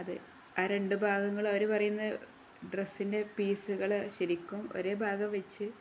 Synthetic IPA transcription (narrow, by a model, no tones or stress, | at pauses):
ɐðɨ̰ | aːɾe̞ɳɖɨbʱaːɡɐŋːɐɭoɾupɐrɐjunːɐð | ɖresːinde̞piːsuɣɐɭɕɐɾikʲːumo̞̰ɾe̞ːbʱaːɡɐmʋɐt͡ɕːɨ